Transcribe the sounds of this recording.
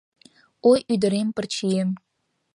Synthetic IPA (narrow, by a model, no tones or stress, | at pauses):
ojyd̪ə̆ɾempə̆rt͡ɕijem